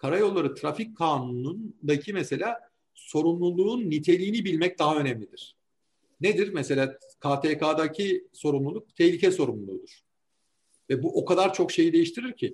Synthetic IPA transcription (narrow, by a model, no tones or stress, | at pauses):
kʰaɾajo̞lˠːaɾɯt̪ʰɾafickʰːaːnunund̪acʰimɛse̞lʲaː | so̞ɾumlˠulˠuːnːit̪ʰe̞lʲiːnibilʲmɛc̚d̪aɦaø̞nɛmlʲid̪iɾ̥ | ned̪iɾmɛse̞lʲaːkʰaːt̪ʰɛːkʰaːd̪acʰiso̞ɾumlˠulˠuk̚t̪ʰɛhlʲicʰɛso̞ɾumlˠulˠṵːd̪uɾ̥ | vɛbuʔo̞kad̪aɾt͡ʃʰo̞kʃe̞jid̪e̞jiʃt̪ʰiɾiɾcʰi